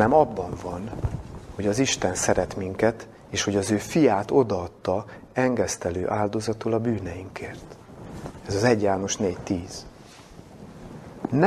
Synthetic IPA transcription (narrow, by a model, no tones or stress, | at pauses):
nɛmɒbːɒɱvɒnho̞ɟɒziʃt̪ɛnsɛɾɛt̪miŋkɛt̪ | eːʃho̞ɟɒzøːfijaːt̪o̞d̪ɒːt̪ːɒɛŋɡɛst̪ɛlø̰ːʔaːld̪o̞zɒt̪olɒbyːnɛjiŋkeːrt̪ | ɛzɒzɛɟjaːno̞ʃneːct̪iːz̥ | n